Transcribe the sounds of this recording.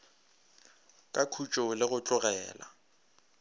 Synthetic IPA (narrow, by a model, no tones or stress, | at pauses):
kʼakʰut͡ʃʼolɪɣʊt͡ɬʼʊɣɛːla̰